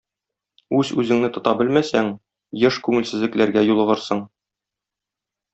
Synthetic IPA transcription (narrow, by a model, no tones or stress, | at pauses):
ʉzʉzɘ̆ŋnɘt̪ŏt̪ɑbɘlmæsæŋ | jɤʃkʉŋɘ̆lsɘ̆zlɘ̆klæɾɡæjulˠɤ̆ʁɤ̆ɾsɤɴ